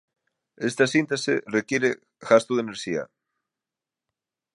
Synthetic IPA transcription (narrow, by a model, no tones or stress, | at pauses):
est̪asint̪esḛrekjeɾe | ɣast̪uðeneɾʃia̰